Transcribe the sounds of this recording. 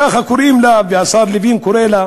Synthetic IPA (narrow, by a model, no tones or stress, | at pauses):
axakuɾimlaveasaɾlivinkuɾela